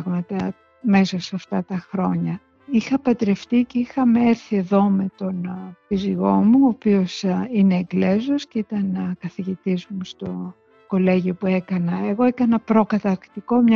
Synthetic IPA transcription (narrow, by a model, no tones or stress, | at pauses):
ɣmɐt̪ɐ | me̞sosɐft̪ɐt̪ɐxɾo̞ɲɐ | ixɐpɐt̪ɾe̞ft̪ice̞ixɐmeeɾθie̞ðo̞me̞t̪o̞nfiziɣo̞muopio̞sineːɡle̞zoscit̪ɐnkɐθiʝit̪izmust̪o̞ | ko̞le̞ʝiopue̞kɐnɐe̞ɣo̞ekɐnɐpɾo̞kɐt̪ɐɾkt̪iko̞mɲɐ